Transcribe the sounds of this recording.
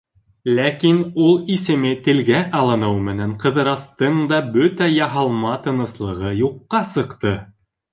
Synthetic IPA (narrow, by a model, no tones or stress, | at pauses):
lækinulˠisɘ̆mɘt̪ɘ̆lɡæʔɑlˠɤ̆nɤwmɘ̆næɴqɤ̆ðɤ̆ɾɑst̪ɤɴd̪ɑbɵt̪æjɑɦɑlˠmɑt̪ɤ̆nɤ̆slˠɤ̆ʁɤjuqːɑsɤ̆qt̪ɤ